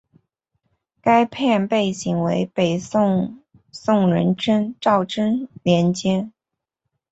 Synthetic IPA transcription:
ka˥ɪpʰjɛ˥˧npe˥˩ɪɕi˧˥ŋwe˧˥ɪpe˨˩ɪ˥˧ŋ | sʊ˥˩ŋɻə˧˥nʈ͡ʂə˥nʈ͡ʂɑ˥˩ʊʈ͡ʂə˥nljɛ˧˥nt͡ɕjɛ˥n

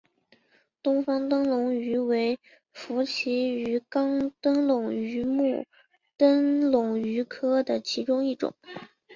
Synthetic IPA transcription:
t̪ʊ˥ŋfɑ˥ŋt̪ɤ˥ŋlʊ˧˥ŋy˧˥we˧˥ɪ | fu˧˥t͡ɕʰi˧˥y˧˥kɑ˥ŋt̪ə˥ŋlʊ˨˩ŋy˧˥mu˥˩ | t̪ə˥nlʊ˨˩ŋy˧˥kʰɤ˥d̪ə˨t͡ɕʰi˧˥ʈ͡ʂʊ˥ŋi˥˩ʈ͡ʂʊ̰˨˩˦ŋ

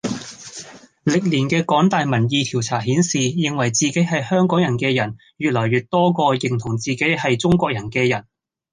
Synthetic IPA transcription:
lɪ˨k̚liː˨˩nkɛː˧kɔː˨˥ŋt̪aː˨jmɐ˨˩njiː˨˧t̪ʰi˨˩wt͡sʰaː˨˩ɦiː˨˥nsiː˨jɪ˨ŋwɐ˨˩jt͡siː˨ke˨˥jɦɐ˨jhœː˥ŋkɔː˨˥ŋjɐ˨˩nkɛː˧jɐ˨˩n | ɥyː˨t̚lɔː˨˩jɥyː˨t̚t̪ɔː˥kɔː˧jɪ˨˩ŋt̪ʰʊ˨˩ŋt͡siː˨ke˨˥jhɐ˨jt͡sʊ˥ŋkʷɔː˧k̚jɐ˨˩nkɛː˧jɐ˨˩n

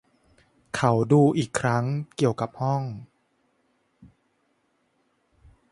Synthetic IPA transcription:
kʰa˦wduː˧ʔiː˨˩kʰːɾa˦˥ŋki˨˩əwka˨˩p̚hɔ˥˩ŋ

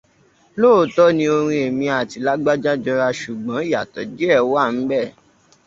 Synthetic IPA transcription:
loː˦˨tɔ˦nĩ˧o˧ɾ̃ĩ˧e˨mĩ˧a˨ti˨˦la˦ɡ͡ba˦d͡ʒa˦d͡ʒɔ˧ɾa˧ʃu˨ɡ͡bã˨˦i˦ja̰˨tɔ˨˦d͡ʒe˦ɛ˦˨wa˦˨n̩˦bɛ˦˨

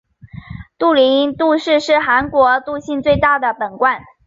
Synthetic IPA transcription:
t̪u˥˩li˧˥t̪u˥˧ʂɻ̩˥˧ʂɻ̩˥˩xa˧˥nkwɔ˧˥t̪u˥˧ɕi˥˧nt͡swe˥˧ɪt̪a˥˩d̪ə˩pə˨˩nkwa˥˩n

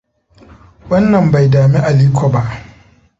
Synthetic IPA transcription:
wɐ˦nːɐ˨mba˨jdaː˨mi˦ʔa˨liː˦kʷʰɔ˨ba˦ʔ

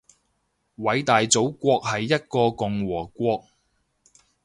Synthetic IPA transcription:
wɐ˨˥jt̪aː˨jt͡so˨˥wkʷɔː˧k̚hɐ˨jːɐ˥t̚kɔː˧kʊ˨ŋwɔː˨˩kʷɔː˧k̚

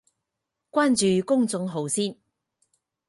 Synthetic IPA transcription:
kʷaː˥nt͡ʃyː˨kʊ˥ŋt͡sʊ˨˧ŋɦo˨˧wsiː˥n

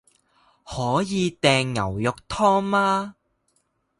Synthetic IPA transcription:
hɔː˨˥jiː˨˧t̪ɛː˨˧ŋːɐ̰˨˩wjʊ˨k̚t̪ʰɔː˥ŋmaː˥

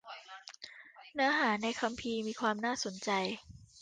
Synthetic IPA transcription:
nɯ˩˦ɐɦaː˩˦na˧jkʰa˧mpʰiː˧miː˧kʰwaː˧mnaː˥˩so˩˦nt͡ɕa˧j

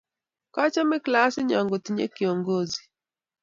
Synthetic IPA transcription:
ka˦t͡ʃa˦mɛ˦klasɪ˦ɲa˨ŋɡo˨tiɲɛ̰˦ki˨ɔŋɡo˦zi˨

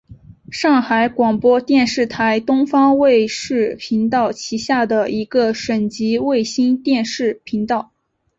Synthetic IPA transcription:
ʂɑ˥˩ŋxa˧˥ɪkwɑ˨˩ŋpwɔ˥t̪jɛ˥˧nʂɻ̩˥˩t̪ʰa˧˥ɪt̪ʊ˥ŋfɑ˥ŋwe˥˧ɪʂɻ̩˥˩pʰi˧˥ŋt̪̬ɑ˥˩ʊt͡ɕʰi˧˥ɕja˥˩d̪ə˩i˧˥ɡə˧ʂwə˨˩nt͡ɕi˧˥we˥˩ɪɕi˥nt̪jɛ˥˧nʂɻ̩˥˩pʰi˧˥ŋt̪ɑ˥˩ʊ

